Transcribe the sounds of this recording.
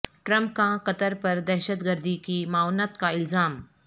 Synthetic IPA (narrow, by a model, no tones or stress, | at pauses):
ʈɾɐ̃mp̚kãqɐt̪əɾpɐɾd̪ɛːʃət̪ɡəɾd̪ikimaːʊnət̪kaɪlzaːm